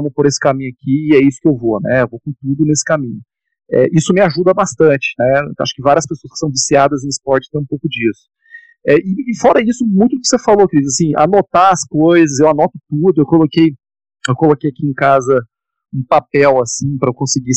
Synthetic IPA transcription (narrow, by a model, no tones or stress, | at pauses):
ɐ̃mʊpoɾesɪ̥kamĩɲʊakiɪɛisʊ̥kɪewvonɛ̰ewvowkõt̪ud̪ʊnesɪ̥kamĩɲʊ | ɛ̰ʔisʊmɪaʒud̪ɐbast̪ɐ̃t͡ʃɪ̥nɛa̰ʃʊ̥kɪvaɾiɐspesoɐskɪ̥sɐ̃w̃visiad̪ɐzẽɪspɔɾt͡ʃɪ̥t̪ẽj̃powkʊd͡ʒisʊ̥ | ɛʔɪːfɔɾɐisʊmũj̃t̪ʊd̪ʊkɪ̥sefalokɪd͡ʒizasĩa̰not̪aɐskojzɐsewanɔt̪ʊt̪ud̪ʊewkolokej | ewkolokejakiẽkazɐ | ũpapɛwasĩpɾɐewkõsɪɡi